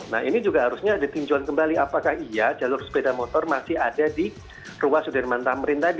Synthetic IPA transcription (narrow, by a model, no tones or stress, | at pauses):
na̰ɦinid͡ʒuɡaɦaɾusɲaːdat̪uɲd͡ʒuankəmbaliapakahiad͡ʒalʊrsə̥pedamɔt̪ɔrmasɪhadadi | ruwasudɛrmant̪aməɾɪnt̪adi